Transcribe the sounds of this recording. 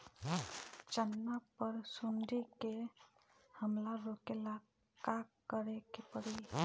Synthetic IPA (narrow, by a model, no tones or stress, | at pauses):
t͡ʃənːapəɾsund̪ʱike | həmlaɾokela | kakːəɾekepəɽi